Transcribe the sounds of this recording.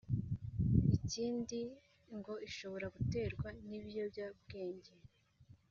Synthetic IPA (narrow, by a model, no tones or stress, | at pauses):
iciːndi | ŋɡo̞iʃo̞βo̞ɾaɡute̞ːɾɡwaniβjo̞bjab̚ɡe̞ːɲɟe